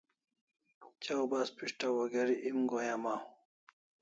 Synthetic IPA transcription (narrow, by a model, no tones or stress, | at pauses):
t͡ɕawbaːspiʂʈawɐɡɐɾiʔimɡojamaː